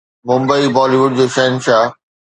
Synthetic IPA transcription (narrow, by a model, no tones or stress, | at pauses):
mʊ̃mbəibɔːliʋʊɖ̚d͡ʑoːʃɐɦnʃaː